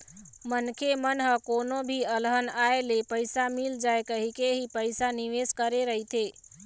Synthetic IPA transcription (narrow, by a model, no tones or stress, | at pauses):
mənkʰemənɦəkonobʱiəlɦənaelepəjsamild͡ʒaekəɦikeɦipəɪsaniʋeskəɾeɾəɦit̪ʰe